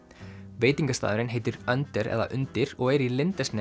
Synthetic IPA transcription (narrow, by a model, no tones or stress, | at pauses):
veːjt̪iŋkast̪a̰ːðʏɾɪnɦeːjt̪ɪɾœnt̪ɛɾɛ̰ða̰ʔʏnt̪ɪɾɔɣɛɾilɪnt̪ɛsnɛ